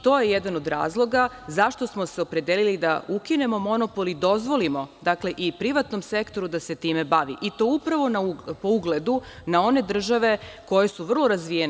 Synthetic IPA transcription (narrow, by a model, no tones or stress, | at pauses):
t̪o̞ːje̞jed̪anod̪ɾa̰ːzlˠo̞ɡa | zaʃt̪o̞smose̞o̞pɾe̞d̪elilid̪a̰ukine̞mo̞mo̞no̞po̞lid̪o̞zʋo̞limo̞d̪akle̞ʔipɾiʋat̪no̞mse̞kt̪o̞ɾud̪ase̞t̪iːme̞baʋḭʔit̪o̞ːupɾaʋo̞naupo̞uɡle̞d̪unao̞ne̞d̪r̩ʒaʋe̞ko̞je̞suʋr̩lˠo̞ɾazʋijen